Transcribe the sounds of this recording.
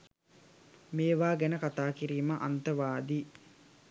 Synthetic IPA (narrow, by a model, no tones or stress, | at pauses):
meːʋaːɡænəkat̪aːkiɾiːməʔɐ̰nt̪əʋaːd̪iː